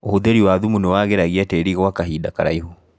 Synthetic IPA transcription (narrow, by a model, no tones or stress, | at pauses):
ohodeɾiwaðumunewaɣeɾaɣiɛteɾiɣɔwakaɦiːdakaɾa̰iho